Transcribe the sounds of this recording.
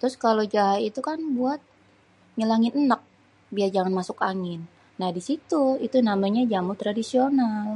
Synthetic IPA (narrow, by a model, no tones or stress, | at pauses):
t̪ɾʊskalod͡ʒaɦait̪ukanbuat̪̚ | ɲəlaŋɪnənək̚ | biad͡ʒaŋanmasʊkaŋɪnː | ahdisit̪uit̪unamaɲad͡ʒamut̪ɾadisional